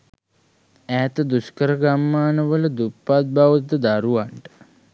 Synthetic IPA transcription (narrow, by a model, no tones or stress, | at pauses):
æːt̪əd̪uskəɾəɡamːaːnəʋələd̪upːat̪̚baʋət̪əd̪aɾuʋaɳʈə̥